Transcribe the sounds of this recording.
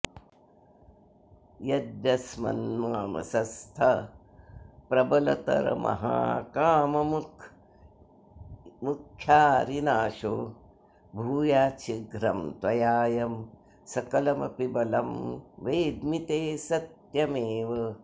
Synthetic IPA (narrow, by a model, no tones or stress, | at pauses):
jɐd̪jɐsmɐ̰nmaːmɐ̰sɐst̪ʰɐ | pɾɐbɐlɐ̰t̪ɐ̰ɾɐ̰mɐ̰ɦa̰ːkaːmɐm | mukʰjaːɾinaːʃoː | bʱuːjaːt͡ʃʰiɡɾɐmt̪ʋɐjaːjɐm | sɐkɐlɐmɐ̰pibɐlɐmʋeːd̪mit̪eːsɐt̪jɐmeːʋɐ